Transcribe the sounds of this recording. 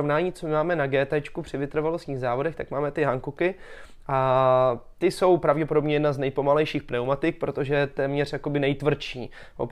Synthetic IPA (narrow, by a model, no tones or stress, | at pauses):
ovnaːɲiːt͡sommaːmɛnaɡɛːt̪ɛt͡ʃkupr̝̥ɪvɪt̪r̩valost̪ɲiːɣzaːvodɛxt̪akmaːmɛt̪ɪɦaŋkukɪ | ʔa | t̪ɪso̞wpɾavɟɛpo̞dobɲɛjɛdnaznɛjpo̞malɛjʃiːxpnɛwmat̪ɪk̚pɾo̞t̪o̞ʒɛt̪ɛːmɲɛr̝jako̞bɪnɛjt̪vr̩t͡ʃiː | o̰